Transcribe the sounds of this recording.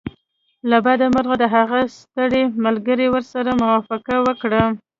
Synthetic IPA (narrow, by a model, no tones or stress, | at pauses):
labad̪amaɾɣad̪əɦaɣast̪əɽemalɡəɾewəɾsaɾamʊwafaqawəkɽa